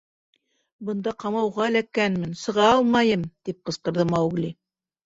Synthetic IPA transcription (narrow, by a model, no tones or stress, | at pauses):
bɤ̆nd̪ɑqɑmɑwʁɑælækænmɘnsɤ̆ʁɑɑlˠmɑjɤmt̪ip̚qɤ̆sqɤ̆ɾðɤmɑwɣlʲi